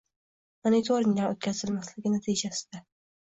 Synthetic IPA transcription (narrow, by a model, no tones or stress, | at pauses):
monit̪ʰoɾɪŋlaot̪̚kʲʰazɪlmaslɪɡʲɪnat̪ʰijd͡ʒasɪ̥d̪̥a